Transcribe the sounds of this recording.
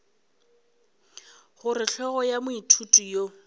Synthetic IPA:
χʊɾɪɬʰɔɣɔjamʊitʰutʼujo

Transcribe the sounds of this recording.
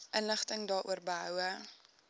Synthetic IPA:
ʔənləχtəŋdɑːɾʔṵərbəɦœwə

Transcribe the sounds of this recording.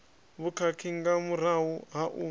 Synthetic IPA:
βukʰakʰiŋɡamuɾ̤awuɦaʔu

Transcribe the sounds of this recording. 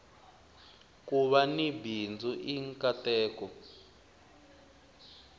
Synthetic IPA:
kuβanibind͡zuʔiŋkʼatɛːkɔ

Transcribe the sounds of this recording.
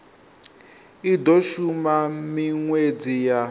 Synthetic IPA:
idɔʃumamiŋwed͡zija

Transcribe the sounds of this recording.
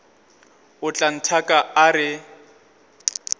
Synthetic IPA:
ʊt͡ɬʼan̩tʰakʼaaɾɪ

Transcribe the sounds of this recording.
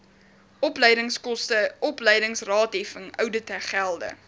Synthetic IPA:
ɔpləjdəŋskɔstəʔɔpləjdəŋsrɑːtɦɛfəŋœwdətəχælˠdə̰

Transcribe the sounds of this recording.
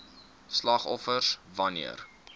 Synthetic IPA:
slɐχɔfərsvɐnḭər

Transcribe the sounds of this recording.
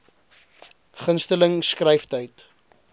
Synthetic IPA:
χənstələŋskrɛjftəjt

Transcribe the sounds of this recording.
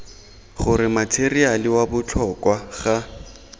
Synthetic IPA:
χʊɾɪmatʰerialɪwabʊt͡ɬʰɔkwaɣa

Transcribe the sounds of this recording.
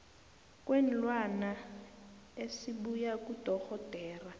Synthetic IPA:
k̬ʼwen̩lwana | esiɓujakud̥ʱɔɣɔd̥ʱɛːra

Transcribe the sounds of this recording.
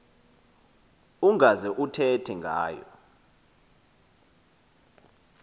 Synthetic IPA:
uŋɡʱazɛʔutʰɛtʰɛŋɡʱa̰ːjɔ̰

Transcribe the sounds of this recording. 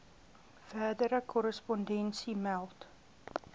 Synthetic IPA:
fæːdəɾəkʰɔɾəspɔndɛnsimælˠt

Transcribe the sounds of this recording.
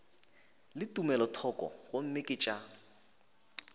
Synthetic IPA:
lɪtʼumɛlɔtʰɔkʼɔ̰ɣom̩mɪkʼɪt͡ʃʼa

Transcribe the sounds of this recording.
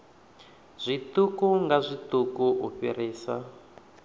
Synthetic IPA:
z̥ʷitukuŋɡazʷit̪ukuuɸiriːsa̰

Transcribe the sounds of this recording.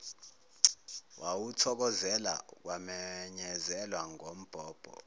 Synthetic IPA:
wʔawutʰɔk̬ɔzɛla̰k̬ʼwamɛɲɛzɛlwaŋʱom̩b̥ʱɔːb̥ʱɔ̰

